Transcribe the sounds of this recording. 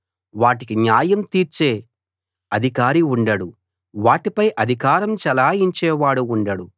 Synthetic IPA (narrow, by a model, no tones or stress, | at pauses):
ʋaːʈikiɲjaːjɐmt̪iːɾt͡ʃeː | ɐd̪ʱikaːɾiuɳɖɐɽu | ʋaːʈipɐjʔɐd̪ʱikaːɾɐmt͡ʃɛlaːiɲt͡ʃɛːʋaːɽuuɳɖɐɽu